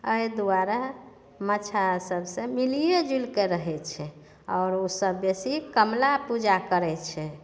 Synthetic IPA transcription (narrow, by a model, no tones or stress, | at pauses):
əjd̪uaɾa | mət͡ʃʰasəbsẽmilijed͡ʒulkeɾəɦɛt͡ʃʰɛ | ɔːɾosəbːesikəmlapud͡ʒakəɾɛt͡ʃʰɛ